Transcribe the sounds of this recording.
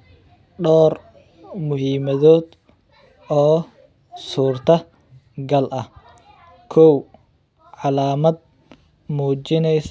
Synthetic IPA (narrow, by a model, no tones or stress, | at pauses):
ɖɔːr | mʊɦiːmɐðɔːd̪ | ɔː | suːrt̪ʰɐ | ɡɐlʔɐh | kʰɔw | ʕɑlaːmɐd̪̚ | muːt͡ʃɪnɛjs